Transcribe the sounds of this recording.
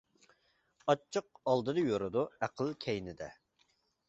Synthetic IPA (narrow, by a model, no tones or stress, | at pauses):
ɑt͡ʃʰːɨq̚ɑlˠd̪ɨd̪ɨjoɾɨd̪uæqʰəlˠkʲʰɛjnɪd̪ɛ